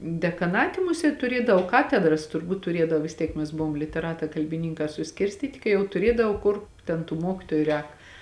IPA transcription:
dʲɛkɐˈnɑːtʲɪ ˈmʊsʲeːt tʊˈrʲiɛdɐw ˈkɑːtʲɛdrɐs tʊrˈbuːt tʊˈrʲiɛdɐw ʋʲɪs ˈtʲiɛk mʲɛs ˈbʊʋoːm lʲɪtʲɛˈrɑːtɑː kɐlʲbʲɪˈnʲɪŋkɑː sʊˈsʲkʲɪrʲsʲtʲiːtʲɪ kɐɪ ˈjɛʊ tʊˈrʲiɛdɐw ˈkʊr ˈtʲɛn tuː ˈmuɔkʲɪtoːjʊ ˈrʲɛːk

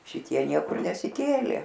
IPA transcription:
ʃʲɪˈtʲiɛ ˈnʲiɛkʊr nʲɛsʲɪˈkʲeːlʲeː

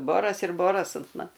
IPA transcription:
ˈboːrɐs ɪr ˈboːrɐs ɐnt ˈmɐn

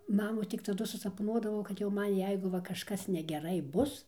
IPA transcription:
ˈmɑːmuː tʲɪk tɐˈdʊ sʊsɐpˈnuɔdɐʋɐʊ kɐt jɛʊ ˈmɐn ˈjɛɪɡʊ ˈʋɐ kɐʃˈkɐs nʲɛɡʲɛˈrɐɪ ˈbʊs

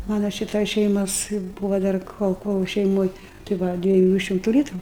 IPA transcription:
ˈmɑːnɐ ˈʃʲɪtoːj ˈʃʲɛɪmoːs ˈbuːʋoː ˈdɐr ˈkoːlˠ ˈkoːlˠ ʃʲɛɪˈmoːj tɐɪ ˈʋɐ dʲʋʲiɛˈjuː ˈʃʲɪmtʊ ˈlʲiːtrʊ

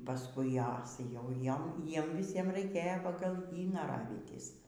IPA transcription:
pɐˈskʊɪ ˈjɛs jɛʊ ˈjoːm ˈjiɛm ʋʲɪˈsʲiɛm rɐɪˈkʲeːjoː ˈpɑːɡɐlˠ ˈjiː nɐˈrɑːʋʲiːtʲɪs

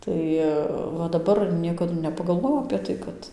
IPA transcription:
ˈtɐɪ ʋɐ dɐˈbɐr ˈnʲiɛkɐdʊ nʲɛpɐɡɐlˠˈʋoːjɛʊ ɐpʲeː ˈtɐɪ kɐt

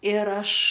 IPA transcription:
ɪr ˈɐʃ

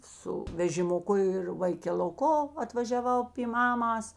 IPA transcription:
ˈsʊ ʋʲɛʒʲɪmʊˈkʊ ɪr ʋɐɪkʲɛlˠʊˈkoː ɐtʋɐʒʲɛˈʋɐʊ pʲiː ˈmɑːmɐs

